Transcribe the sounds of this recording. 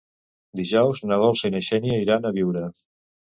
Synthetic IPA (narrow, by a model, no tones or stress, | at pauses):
d̪iʒɔwznəβɔlˠsəineʃɛnjəiɾanəβiwɾə